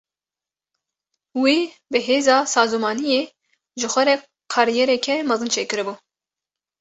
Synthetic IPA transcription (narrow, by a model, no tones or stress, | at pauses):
wi | bɨɦeːzɑːsɑːzumɑːnijeː | ʒɨxʷɛɾɛ | qʰɑɾijɛɾɛkʰɛmɑzɨnt͡ʃʰeːkɨɾɨbu